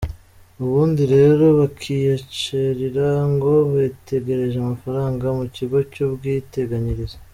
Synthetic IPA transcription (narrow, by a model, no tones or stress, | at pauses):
uβuːndiɾe̞ːɾo̞βakʰijet͡ʃeɾiɾaŋɡo̞βete̞ɡe̞ɾe̞ʒeamafaɾaːŋɡamuciɡo̞cubɡiːte̞ɡaɲiɾize